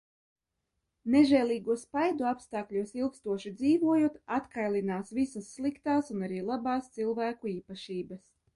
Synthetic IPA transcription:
neʒɛːlˠiːɡuɔspajd̪uapst̪aːkʎʲusilˠkst̪uɔʃid̪ziːvuɔjuɔt̪at̪kajlʲˠinaːsvisɐsːlˠikt̪aːsunaɾiːlˠabɑːst̪silˠvæːkuiːpaʃiːbɐs

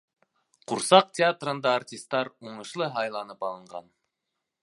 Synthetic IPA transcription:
qʰuɾsɑq̚t̪ʲeat̪rənd̪ɑːrtʲist̪ːɑɾuɴɤ̆ʃlˠɤɦɑjlˠɑnəpɑlˠəɴʁɑ̰n

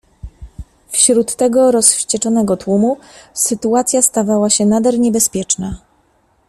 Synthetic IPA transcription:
fɕɾut̪ːɛɡɔɾɔsɕt͡ɕɛt͡ʂɔnɛɡɔt̪wumusɘt̪uat̪sʲjast̪avawaɕɛnad̪ɛɾɲɛbɛspʲjɛt͡ʂna

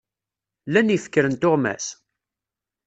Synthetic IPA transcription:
lænifə̥kːɾənt̪ʊʁmæ̰s

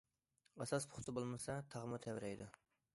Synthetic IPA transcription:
ɑsɑspʰʊ̥χt̪ʰɨbolˠmɨsɑt̪ʰɑʁmɨt̪ʰɛwɾɛjd̪u

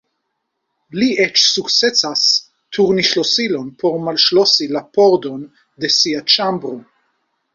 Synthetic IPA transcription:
liʔɛt͡ʃsukt͡set͡sas | t̪ʰuʁniʃlosilonpʰoɾmalʃlosilapoɾd̪on | d̪esiat͡ʃambɾu

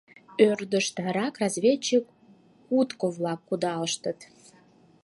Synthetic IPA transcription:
ørd̪əʃt̪ɾɑkrɑzvʲet͡ɕːikː | ut̪kovlɑkːud̪ɑləʃt̪ə̆t̪

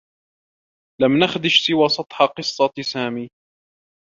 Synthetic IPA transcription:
lamnaxd̪ɪʃsɪwaːsˤɑt̪ˤħɑqɨsˤːɑsaːmiː

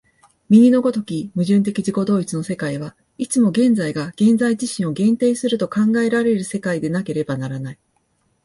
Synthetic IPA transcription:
mʲiɲ̟ino̞ɡo̞t̪o̞kʲimɯ̟ʑɨ̃nt̪̬e̞kʲiʑiko̞d̪o̞ːit͡sɨno̞se̞kaiβ̞a | it͡sɨmo̞ɡẽ̞nd͡zaiɡaɡ̥ẽ̞nd͡zaiʑiɕĩɰ̃o̞ɡẽ̞nt̪e̞ːsɨɾɯ̟t̪o̞kãŋɡae̞ɾaɾe̞ɾɯ̟se̞kaid̪e̞nake̞ɾe̞banaɾanai

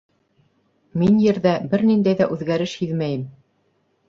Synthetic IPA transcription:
minjɘ̆ɾðæbɘɾnind̪æjðæʔʉðɡæɾɘʃhiðmæjɘm

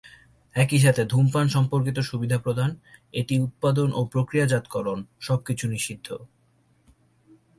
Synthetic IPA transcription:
ɛkiʃ̬at̪ʰed̪ʱumpanʃɔmpoɾkit̪oʃubid̪ʱapɾod̪ʱaneʈiut̪̚pad̪onʔopɾokɾijad͡ʑat̪kɔɾonʃɔb̚kit͡ɕʰuniʃid̪ʱːo

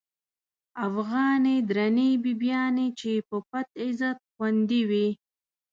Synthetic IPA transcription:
afɣɑːned̪ɾanibibjɑːnet͡ʃepəpat̪ɪzat̪̚xwand̪iwi

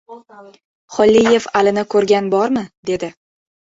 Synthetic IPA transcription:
χɒlːije̞valɪnɪkʰɵɾɡʲanbɒɾmɪd̪e̞d̪ɪ

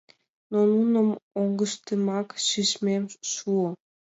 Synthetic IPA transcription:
nonunəmoŋɡəʃt̪əmɑkʃyʃmemʃuo

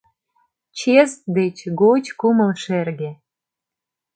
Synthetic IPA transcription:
t͡ɕest̪̚d̪et͡ɕɡot͡ɕkumə̆lʃerɣe

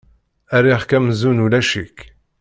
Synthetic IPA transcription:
æɾiχkæmzunulæʃik

